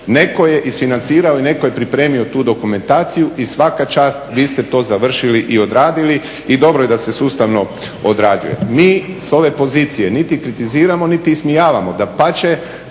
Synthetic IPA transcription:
ne̞ko̞je̞ʔisfinant̪siːɾaoine̞kojepɾipɾe̞ːmio̞t̪uːd̪o̞kume̞nt̪aːt̪sijuʔisʋakat͡ʃaːst̪ʋiːst̪et̪o̞ːzaʋr̩ʃiliʔio̞d̪ɾaːd̪ili | id̪o̞bɾojed̪ase̞suːst̪aʋno̞ | od̪ɾaːd͡ʒṵje̞̰miːso̞ʋe̞po̞ziːt̪sije̞nit̪ikɾit̪iziːɾamo̞nit̪iːsmijaːʋamod̪apat͡ʃe̞

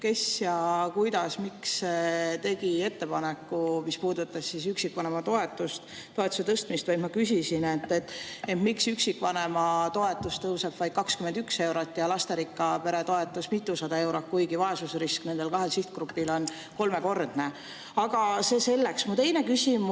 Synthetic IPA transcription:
ke̞sjɑkujd̪ɑsmiksːet̪e̞ɡie̞t̪ːe̞pɑnekːˑumispuːd̪ut̪ːɑssisyksikːvɑne̞mɑt̪o̞e̞t̪ˑːust̪ | t̪ːo̞e̞t̪ːˑu̥set̪ɤst̪mist̪vɑjd̪̥mɑkysisinet̪ːˑet̪ent̪miksyksikːˑvɑne̞mɑt̪o̞e̞t̪ːˑust̪ːɤwseb̥vɑjd̪̥kɑkskymend̪ykse̞wɾot̪ːˑjɑlɑst̪eɾikːˑɑpe̞ɾet̪oe̞t̪ːˑusmit̪ːˑusɑd̪ɑe̞wɾot̪̚kujɡivɑe̞susriskne̞nd̪e̞lkɑɦe̞lsiht̪̚krupːilo̞n | ko̞lme̞ko̞rd̪̥ne | ɑɡ̥ɑse̞ːse̞lːeksmut̪e̞jne̞kysimu

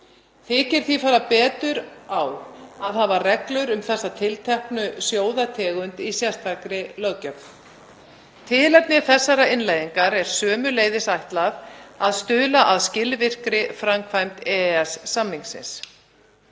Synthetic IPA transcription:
θɪːcɪɾ̥θifaːɾapɛːt̪ʏɾawaðɦavarɛklœɾʏmθɛsːat̪ʰɪlt̪ʰɛhknʏsjoːwðat̪ʰɛːɣʏnt̪isjast̪ʰakɾɪlœɣcœkn | t̪ʰɪːlat̪nɪθɛsːaɾaɪnlajðiŋkaɾɛɾ̥sœːmʏleːjðɪsajht̪lavaðst̪ʏːlaʔaðscɪlvɪr̥kɾɪfɾamkʰvajmt̪ɛːɛsːamiŋksɪ̰ns

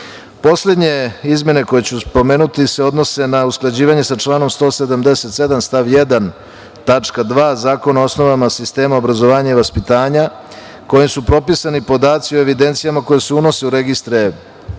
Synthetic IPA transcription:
po̞sle̞d̪ɲe̞izme̞ne̞ko̞jet͡ɕuspo̞me̞ːnut̪ise̞o̞d̪no̞se̞nausklˠad͡ʑiːʋaɲe̞sat͡ʃlaːno̞mst̪o̞ːse̞d̪amd̪e̞set̪se̞d̪amst̪aʋje̞d̪an | t̪at͡ʂkad̪ʋaːzaːko̞nao̞sno̞ʋamasist̪e̞ːmaobɾazo̞ʋaːɲaiʋaspit̪aːɲa | ko̞jimsupɾo̞pisanipo̞d̪aːt̪sioe̞ʋid̪e̞nt̪sijamako̞jeseuno̞se̞uɾe̞ɡist̪ɾe

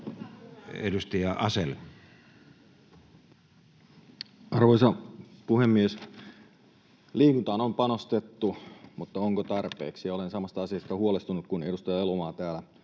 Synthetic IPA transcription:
edust̪ɑjɑʔɑsel | ʔɑrʋoisɑpuhemːies | liːkunt̪ɑːnompɑnost̪et̪ːumut̪ːɑoŋkot̪ɑrpḛːksijɑolensɑmɑst̪ɑɑsiɑst̪ɑhuolest̪unuk̪̚kune̞dust̪ɑjɑelomɑːt̪æːlæ

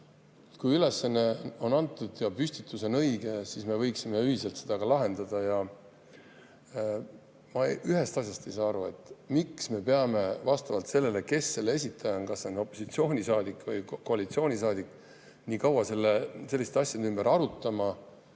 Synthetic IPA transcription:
ut̪kujyle̞sɑne̞o̞nɑnt̪ːˑud̪jɑpysʲt̪it̪ːˑuse̞nɤ̞jɡ̥e̞sisme̞vɤjksime̞yhise̞lt̪se̞d̪̥ɑɡ̥ɑlɑɦe̞nd̪̥ɑd̪̥ɑjɑ | mɑʔyɦe̞st̪ɑsʲjɑst̪e̞jsɑːɑɾue̞̰t̪ːˑmiksme̞pe̞ɑme̞vɑst̪ɑvɑlt̪se̞lːe̞le̞ke̞sːe̞lːeesʲit̪ʰːˑɑjɑnkɑsːeono̞pːˑo̞sit̪sio̞ːnʲisɑːd̪ikːˑvɤjko̞ɑlit̪sio̞ːnʲisɑːd̪ikː | niːkɑwɑse̞lːese̞lːiset̪ɑsʲjɑd̪eymbeɾɑɾut̪ːˑɑmɑ

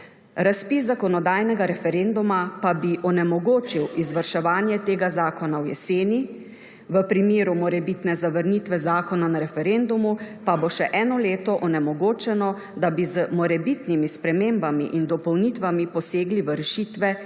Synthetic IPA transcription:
ɾaspiszakɔnɔd̪aːjnɛɡaɾɛfɛɾeːnd̪umapabiʔɔnɛmɔɡoːt͡ʃiwizʋəɾʃɛʋaːnjɛt̪eːɡazaːkɔnawjɛ̰seːni | ʋəpɾimeːɾumɔɾɛbit̪nɛzaʋəɾniːt̪ʋɛzaːkɔnanaɾɛfɛɾend̪umupaboʃɛʔɛːnɔleːt̪ɔʔɔnɛmɔɡoːt͡ʃɛnɔ | d̪abizəmɔɾɛbit̪nimispɾɛmembamḭʔind̪ɔpɔwnit̪ʋamipɔseːɡliʋəɾɛʃiːt̪ʋɛ

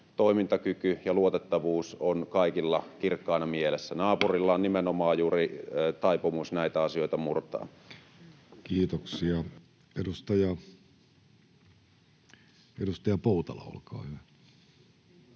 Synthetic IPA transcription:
t̪oimint̪ɑkykyjɑluot̪et̪ːɑʋuːsonkɑikilːɑkirkːɑˑːnɑmielesːænɑːpurilːɑonnimenomɑːjuːrit̪ɑipomusnæit̪æɑsijo̞it̪ɑmurt̪ɑ̰ː | kiːt̪oksiɑ | eɾust̪ɑjɑ | edust̪ɑjɑpoˑut̪ɑlɑ̰o̰lkɑ̰ːhyʋæ

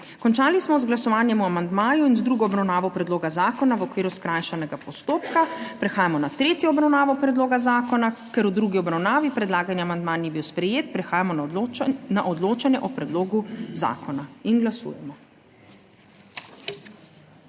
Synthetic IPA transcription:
kɔnt͡ʃaːlismɔzɡlasɔʋaːnjɛmuamand̪maːjuinzd̪ɾuːɡɔːbɾawnaːʋɔpɾɛd̪loːɡazaːkɔnaʋɔkʋiːɾuskɾajʃanɛɡapɔst̪oːpkapɾɛxaːjamɔnat̪ɾeːt̪jɔːbɾawnaːʋɔpɾɛd̪loːɡazaːkɔnakɛɾud̪ɾuɡiɔbɾawnaːʋipɾɛd̪laːɡanjɛamand̪maːnjɛbiwspɾɛjeːt̪̚pɾɛxaːjamɔ | naʔɔd̪loːt͡ʃanjɛʔɔpɾɛd̪loːɡuza̰ːkɔnainɡlasṵːjɛmɔ

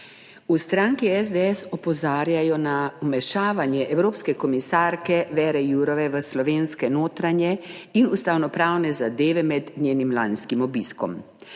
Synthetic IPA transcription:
ust̪ɾaːŋkiɛzd̪eɛsɔpɔzaːɾjajɔnaumɛʃaːʋanjɛʔɛwɾoːpskɛkɔmisaːɾkɛʋɛːɾɛjuːɾɔʋɛʋəslɔʋeːnskɛnoːt̪ɾanjɛinust̪awnɔpɾaːwnɛzad̪eːʋɛmɛd̪nʲeːnimlanskimɔbiːskɔ̰m

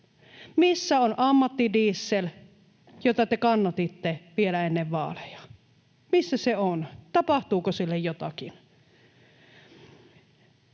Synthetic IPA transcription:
misːæonʔɑmːɑt̪ːidiːsːel | jot̪ɑt̪ekɑnːɑt̪it̪ːeʋielæenːeʋʋɑ̰ːlejɑ̥ | misːæseont̪ɑpɑht̪uːkosilːejjot̪ɑkin

